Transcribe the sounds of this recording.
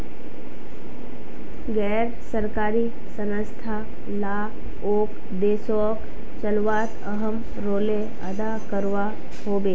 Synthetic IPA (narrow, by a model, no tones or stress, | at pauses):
ɡɛ | ɾsəɾkaːɾi | sənəst̪ʰa | la | oːk | d̪eːso | k | ʃəluʋaːt̪əɦəm | ɾoːle | əd̪akəɾʋa | hoːbeː